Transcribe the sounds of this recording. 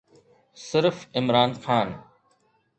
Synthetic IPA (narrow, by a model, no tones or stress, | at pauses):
sɪɾfɪmɾaːnxaːn